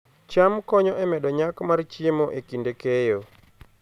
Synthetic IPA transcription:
t͡ʃamkɔɲɔʔɛmɛdɔɲakmart͡ʃɪemoʔekindekejo

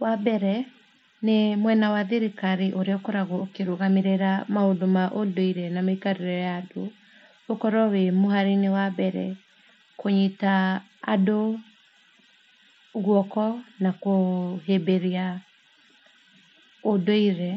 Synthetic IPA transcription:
wabɛɾɛ | nemwɛnawaðeɾekaɾiʔoɾeɔkɔɾaɣookeɾoɣameɾeɾamaondomaʔodoiɾɛnamaikaɾeɾɔɔjaːdo | okɔɾɔwemoɦaɾinewabɛɾɛ̰ | koɲitaː | do | ɣwɔkɔnakoɦebeɾia | odoiɾɛ

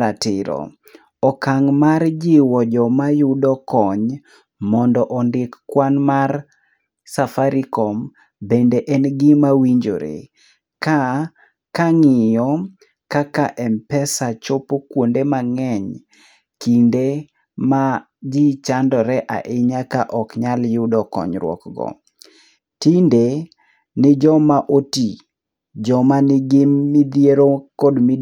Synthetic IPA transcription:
ɾatɪɾɔ̰ | ɔkaŋmard͡ʒiwɔd͡ʒɔmajʊdɔkɔɲ | mɔndɔʔɔndɪkːwanmar | safaɾikɔm | bendeʔɛnɡɪmawiɲd͡ʒoɾḛ | ka | kaŋɪjɔ | kakaʔɛmpɛsat͡ʃopokwondemaŋɛɲ | kinde | ma | d͡ʒit͡ʃandɔɾɛʔa̰ʔɪɲakaʔɔkɲaljʊdɔkɔ̰ɲɾwɔ̰kɡɔ̰ | tinde | nɪd͡ʒɔmaʔoti | d͡ʒɔmanɪɡɪmːɪd̪jeɾokɔdmɪ

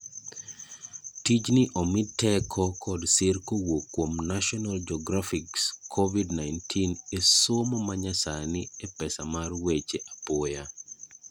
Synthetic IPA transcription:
tid͡ʒnɪʔɔmɪtːɛkʰɔkɔdsɪrkowokːwomnaʃɔnald͡ʒɔɡɾafɪkskʰovidnajntʰineswomɔmaɲasaniepɛsamarwet͡ʃeʔapɔja

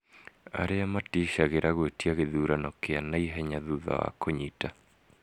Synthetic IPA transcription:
a̰ɾeamatiʃaɣeɾaɣwetjaɣeðuːɾanɔkeanaiɦɛɲaðuða̰wa̰koɲita

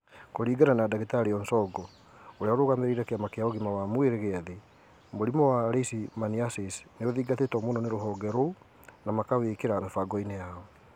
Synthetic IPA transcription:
koɾiːɡananadaɣetaɾiɔnsɔɡɔ | oɾeaoɾoɣameɾiɾakeamakeaɔɣimawamweɾeɣeaðe | moɾimɔwaɾeisimaniasisneoðiːɡatetɔmonɔneɾoɦɔːɡɛɾo | namakawekeɾamefaɡɔinejaɔ

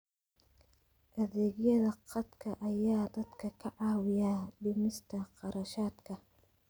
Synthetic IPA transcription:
ʔɐðɛːɣjɐðɐqɑd̪kʰɐʔɐjaːd̪ɐd̪kʰɐkʰɐʕɑːwɪjaːd̪ʊmɪst̪ʰɐqɑɾɐʃaːd̪kʰɐ

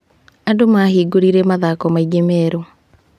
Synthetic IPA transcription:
andomahiːɡoɾiɾemaðakɔmaiɡemɛɾo

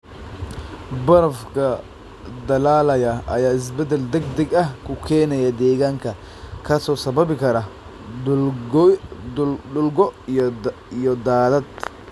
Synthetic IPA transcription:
bɐɾɐfkʰɐ | d̪ɐlaːlɐjɐʔɐ̰jaːɪs̬bɛd̪ɛld̪ɛɡ̚d̪ɛɡɐhkʰʊkʰɛːnɐjɐd̪ɛːɣaːŋkʰɐ | kʰɐsɔːsɐbɐβɪkʰɐɾɐ | ʊlɡɔ | ijɔd̪aːðɐd̪̥

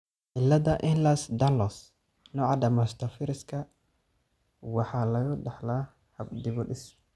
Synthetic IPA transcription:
ʔɪlːɐðɐʔɪnlɐsd̪alɔs | nɔːʕɑd̪ɐmɐst̪ʰɐfɪɾɪskʰɐ | wɑħɑːlɐjʊɖɐħlaː | hɐbd̪ɪβɔɗɪs

